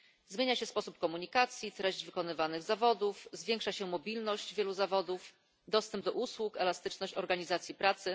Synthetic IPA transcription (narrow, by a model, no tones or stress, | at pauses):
zmʲeɲaɕɛspɔsupkɔmuɲikat̪sʲjit̪ɾɛʑd͡ʑvɘkɔnɘvanɘɣzavɔd̪ufzvʲjɛŋkʂaɕɛmɔbʲilnɔɕd͡ʑvʲjɛluzavɔd̪uf | d̪ɔst̪ɛmb̚d̪ɔʔuswukɛlast̪ɘt͡ʂnɔɕt͡ɕɔɾɡaɲizat̪sʲjipɾat̪sɘ